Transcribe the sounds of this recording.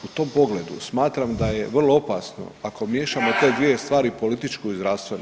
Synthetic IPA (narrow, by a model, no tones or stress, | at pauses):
ut̪o̞mpo̞ɡle̞d̪ṵsmaːt̪ɾamd̪aje̞ʋr̩lˠoo̞paːsno̞̰ako̞mje̞ːʃamo̞t̪e̞ːd̪ʋije̞st̪ʋaːɾipo̞lit̪it͡ʃkuizɾast̪ʋen